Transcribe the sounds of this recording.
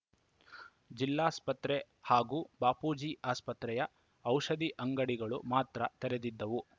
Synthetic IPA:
d͡ʒilːaːspɐt̪ɾe | haːɡuːbaːpuːd͡ʒiːʔaːspɐt̪ɾɛjɐ | ɐwʃɐd̪iʔɐŋɡɐɽiɡɐɭumaːt̪ɾɐt̪ɛɾed̪id̪ːɐʋu

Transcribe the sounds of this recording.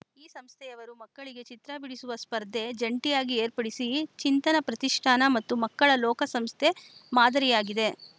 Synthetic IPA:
iːsɐmst̪ʰɛjɐʋɐɾumɐkːɐɭiɡe̞t͡ʃit̪ɾɐbiɽisuʋɐspɐɾd̪ʱːe̞d͡ʒɐɳʈijaːɡieːɾpɐɽisit͡ʃint̪ɐnɐpɾɐt̪iʂʈʰaːnɐmɐt̪ːumɐkːɐɭɐlɔːkɐsɐmst̪ʰemaːd̪ɐɾijaːɡid̪e̞

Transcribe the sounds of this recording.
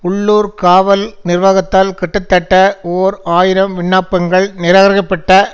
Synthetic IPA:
ʊɭːuːɾkaːʋɐlnɪrʋaːɣɐt̪ːaːlkɛʈːɐt̪ːɐʈːɐoːɾaːjɪɾɐmʋɪɳːaːpːɐŋɡɐɭnɪɾɐɣɐɾɐɣɐpːɐʈːɐ

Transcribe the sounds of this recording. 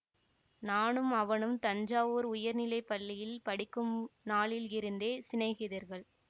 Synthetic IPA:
naːnɯmɐʋɐnɯmt̪ɐɲd͡ʒaːʋoːɾʊjɐɾnɪlɐɪpɐlːɪjɪlpɐɽɪkːɯmnaːɭɪlɪɾɯnd̪eːsɪnɐɪɣɪðɐɾɣɐɭ

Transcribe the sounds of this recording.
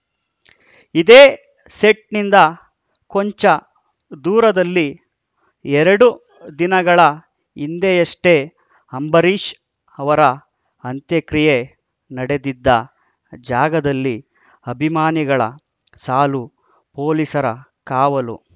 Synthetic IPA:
id̪eː | seʈnind̪ɐ | koɲt͡ʃɐ | d̪uːɾɐd̪ɐlːi | ɛɾɐɽu | d̪inɐɡɐɭɐ | ind̪ejɐʂʈe̞ | ɐmbɐɾiːʃ | ɐʋɐɾɐ | ɐnt̪jɐkɾije | nɐɽe̞d̪id̪ːɐ | d͡ʒaːɡɐd̪ɐlːi | ɐbʱimaːniɡɐɭɐ̰ | saːlu | po̞ːlisɐɾɐ̰ | kaːʋɐlṵ

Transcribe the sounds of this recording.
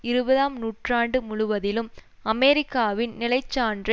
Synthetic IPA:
ɪɾɯbɐðaːmnuːʈraːɳɖɯmʊɻʊʋɐðɪlɯm | ɐmɛɾɪkːaːʋɪnnɪlɐɪt͡ʃːaːɳdrɐ

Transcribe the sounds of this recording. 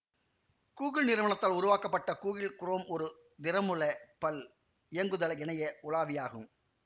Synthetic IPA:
kuːɣɪɭnɪɾɯʋɐɳɐt̪ːaːlʊɾʊʋaːkɐpːɐʈːɐkuːɣɪlkʊromɔɾɯ | d̪ɪɾɐmɯɭɐpɐl | ɪjɐŋɡɯðɐlɛɳɐjɐʊlaːʋɪjaːɣɯ̰m

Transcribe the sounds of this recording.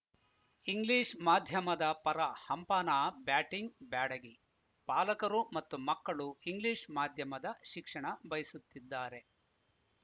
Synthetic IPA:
iŋɡliːʂmaːd̪ʱjɐmɐd̪ɐpɐɾɐhɐmpaːnaːbaːʈiŋɡbaːɽɐɡi | paːlɐkɐɾumɐt̪ːumɐkːɐɭuiŋɡliːʂmaːd̪ʱjɐmɐd̪ɐʃikʂɐɳɐbɐjisut̪ːid̪ːaːɾe̞

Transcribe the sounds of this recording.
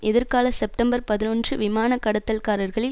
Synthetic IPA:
ʔɛðɪɾkaːlɐsɛp̚ʈɐmbɐɾpɐðɪnɔndrɯʋɪmaːnɐkːɐɽɐt̪ːɐlkaːɾɐɾɣɐɭɪ

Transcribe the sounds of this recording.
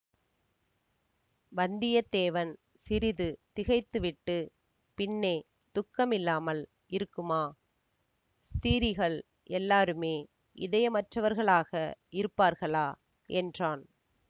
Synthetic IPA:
bɐnd̪ɪjɐd̪eːʋɐn | sɪɾɪðɯt̪ɪɣɐɪt̪ːɯʋɪʈːɯ | pɪnːe | t̪ʊkːɐmɪlːaːmɐl | ɪɾɯkːɯmaː | st̪iːɾɪɣɐɭ | ʔɛlːaːɾɯmeː | ʔɪðɐjɐmɐʈrɐʋɐɾɣɐɭaːɣɐʔɪɾɯpːaːɾɣɐɭaː | ʔɛndraːn

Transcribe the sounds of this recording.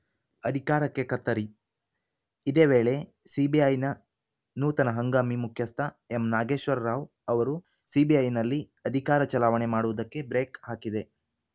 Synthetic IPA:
ɐd̪ʱikaːɾɐkːe̞kɐt̪ːɐɾi | id̪eːʋeːɭe̞ | sibiɐjnɐ | nuːt̪ɐnɐɦɐŋɡaːmimukʰjɐst̪ʰɐ | emnaːɡe̞ːʃʋɐɾɾaːʋ | ɐʋɐɾu | sibiɐjnɐlːi | ɐd̪ʱikaːɾɐt͡ʃɐlaːʋɐɳe̞maːɽuʋud̪ɐkːe̞bɾeːkɦaːkid̪e̞

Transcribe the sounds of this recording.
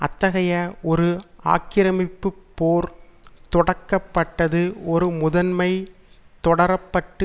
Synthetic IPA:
ʔɐ̰t̪ːɐɣɐjɐɔɾɯa̰ːkɪɾɐmɪpːɯpːoːɾt̪ɔɽɐkːɐpːɐʈːɐðɯɔɾɯmʊðɐnmɐɪ | t̪ɔɽɐɾɐpːɐʈːɯ

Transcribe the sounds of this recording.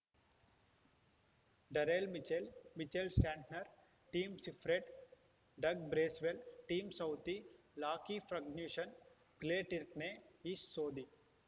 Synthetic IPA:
ɖɐɾelmit͡ʃelmit͡ʃelsʈãːɳʈnɐɾ | ʈiːmsifɾeʈ | ɖɐɡ̚bɾeːsʋelʈiːmsɐwt̪i | laːkifɾɐɡnjuːʃɐn | kleːʈiɾkneːiːʃsoːd̪i

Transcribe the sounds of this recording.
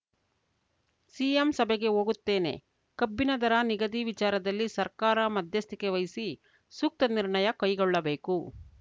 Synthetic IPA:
siːemsɐbeɡe̞ɦoːɡut̪ːe̞ːne̞̰ | kɐbːinɐd̪ɐɾɐniɡɐd̪iʋit͡ʃaːɾɐd̪ɐlːisɐɾkaːɾɐmɐd̪ʱjɐst̪ikeʋɐjisi | suk̚t̪ɐniɾɳɐjɐkɐjɡɔɭːɐbe̞ːku

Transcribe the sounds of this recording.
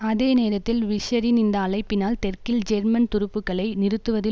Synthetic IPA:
ɐðeːneːɾɐt̪ːɪlʋɪʂɐɾɪnɪnd̪ɐːɭɐɪpːɪnaːlt̪ɛrkɪld͡ʒɛɾmɐnt̪ʊɾɯpːɯkːɐɭɐɪnɪɾɯt̪ːɯʋɐðɪ

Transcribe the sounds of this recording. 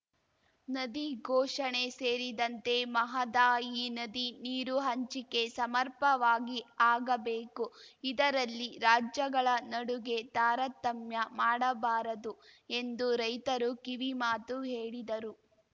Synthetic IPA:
nɐd̪iɡʱɔːʂɐɳe̞seːɾid̪ɐnt̪e̞mɐɦɐd̪aːjinɐd̪iniːɾuɦɐɲt͡ʃike̞sɐmɐɾpɐʋaːɡiaːɡɐbeːkuid̪ɐɾɐlːiɾaːd͡ʒjɐɡɐɭɐnɐɽuɡe̞t̪aːɾɐt̪ːɐmjɐmaːɽɐbaːɾɐd̪ue̞nd̪uɾɐjt̪ɐɾukiʋimaːt̪uɦeːɭid̪ɐɾu

